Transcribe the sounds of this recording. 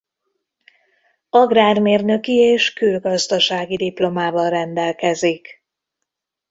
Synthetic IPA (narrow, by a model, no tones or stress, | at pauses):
ɒɡraːrmeːrnø̞kieːʃkylɡɒzd̪ɒʃaːɡid̪iplo̞maːvɒnrɛnd̪ɛlkɛzik